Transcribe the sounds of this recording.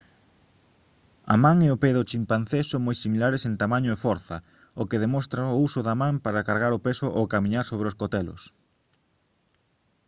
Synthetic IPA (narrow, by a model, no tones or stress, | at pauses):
ɐ̰mãŋeopeðʊt͡ʃimpan̟θesoŋmojsimilaɾesẽnt̪amaɲʊefɔɾθɐ | okeðemɔst̪ɾaousʊðamãmpaɾakaɾɣaɾʊpesʊʔowkamĩɲaɾsoβ̞ɾeoskot̪ɛlʊ̰s